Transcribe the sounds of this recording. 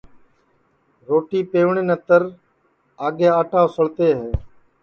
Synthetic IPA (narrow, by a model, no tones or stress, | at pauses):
ɾoːʈiːpeːʋɳeːnət̪əɾ | aːɠeːaːʈãːsəɭt̪eːɦeː